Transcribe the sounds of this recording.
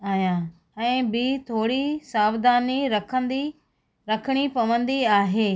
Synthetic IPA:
aːjã | ɛ̃ːbɪt̪ʰoːɽisaːʋd̪aːniɾɐkʰə̃nd̪i | ɾɐkʰəɽ̃ipɐʋə̃nd̪iaːɦeː

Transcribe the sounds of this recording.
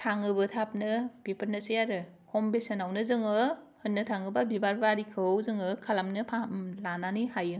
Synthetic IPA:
tʰaŋɯbɯtʰap̚nɯb̥ipʰɯɾnɯsejaɾɯkʰɔmbesɯnawnɯzɯŋɯ | hɯnːɯtʰaŋɯbabibaɾbaɾikʰɯwzɯŋɯkʰalamnɯpʰamlananihajɯ

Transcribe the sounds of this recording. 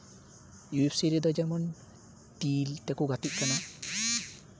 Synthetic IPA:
juipsiɾid̪ɔd͡ʒamɔn | tilt̪ɛkuɡat̪ic̚kana

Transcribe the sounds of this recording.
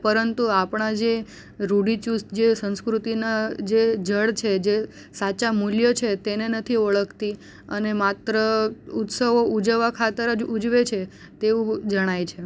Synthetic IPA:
pəɾənt̪uapɳ̃ad͡ʒe | ɾuɽit͡ʃusd͡ʒesə̃ñskɾut̪inad͡ʒed͡ʒəɽt͡ʃʰed͡ʒe | sat͡ʃamuljət͡ʃʰet̪enenət̪ʰiəɭəkʰt̪i | ənemat̪ɾəut̪səʋoʔud͡ʒəʋakʰat̪əɾəd͡ʒud͡ʒʋet͡ʃʰe | t̪eũd͡ʒəɽ̃ajt͡ʃʰe

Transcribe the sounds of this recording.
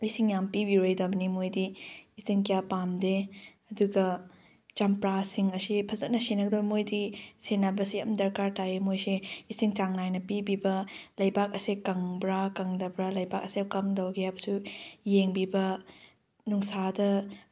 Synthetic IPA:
isiŋjampibiɾojdɐbɐnimojdiːsiŋkijapamdeɐduɡɐ | t͡ʃɐmpɾasiŋɐsipʰɐzɐt̚nɐsenɐɡɐdɐbɐmojdisenabɐsiɐ̰mdɐɾkaɾtʰajemojseisiŋt͡ʃaŋnajnɐpibibɐlɐjbak̚ɐsekɐŋbɾakɐŋdɐbɾalɐjbak̚ɐsekɐmdɐwɡijabɐsujeŋbibɐ | nuŋsadɐ

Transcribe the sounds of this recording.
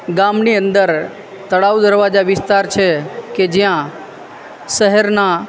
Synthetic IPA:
ɡamniənd̪əɾ | t̪əɽaʋd̪əɾʋad͡ʒaʋɪst̪aɾt͡ʃʰeked͡ʒjã | ʃəɦɛɾna

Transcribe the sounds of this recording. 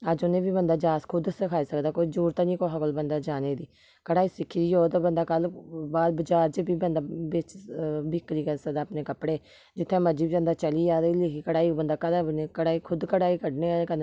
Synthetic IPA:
əd͡ʒʊnẽːbiːbənd̪aːd͡ʒaːskʰʊd̪səkʰaːiːsəkd̪aːkoːid͡ʒuːɾt̪aːnĩːkoːɦakəlbənd̪aːd͡ʒaːneːd̪iː | kəɽaːiːsɪkʰːɾiːoːt̪obənd̪aːkəlbaːd̪bəd͡ʒaːɾt͡ʃbiːbənd̪aːbet͡ʃbɪkːɾiːkəsəkd̪aːəpneːkəpɽeː | d͡ʒɪt̪ʰːẽːməd͡ʒiːbid͡ʒənd̪aːt͡ʃəliːd͡ʒaːd̪ilekʰiːkəɽaːiːobənd̪aːkəlaneːkəɽaːiːkʰʊd̪kəɽaːiːkəɖnẽːaekən

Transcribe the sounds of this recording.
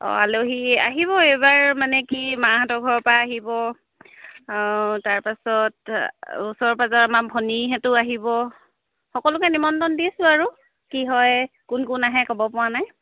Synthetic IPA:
ɔ̰aloɦia̰ɦiβɔejbaɹmanɛkimaɦatɔɡʱɔɹɔpaːɦibɔ | taɹpasɔtusɔɹpazɔamabʱɔniɦɛtʊaɦibɔ | xɔkɔlʊkɛnimɔntɔndisʊaɹu | kiɦɔj | kʊnkʊnaɦɛkɔbɔpʊwanaj

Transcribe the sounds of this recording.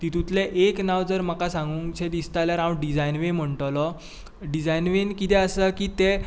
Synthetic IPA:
t̪it̪ut̪leʔeknaʋd͡zəɾm̤akasãŋɡuŋt͡ɕed̪ist̪aljaɾãwɖid͡zajnʋem̤əɳʈ̪lɔ | ɖid͡zajnʋenkit̪ɛəsəkiːt̪e

